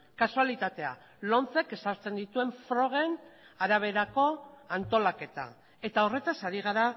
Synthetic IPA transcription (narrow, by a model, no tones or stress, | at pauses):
kasualit̪at̪e̞a̰ | lo̞nt͡se̞ke̞saɾt͡se̞nd̪it̪ue̞ɱfɾo̞ɣ̞e̞naɾaβ̞e̞ɾako̞ant̪o̞lake̞t̪a̰ | e̞t̪ao̞re̞t̪asaɾiɣ̞aɾa